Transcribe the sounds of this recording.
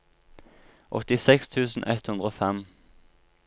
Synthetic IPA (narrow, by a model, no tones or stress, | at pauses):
ʔɔ̰t̪ɪsɛkst̪ʰʉːsn̩ʔɛt̪hʉnd̪ʁəoːfɛm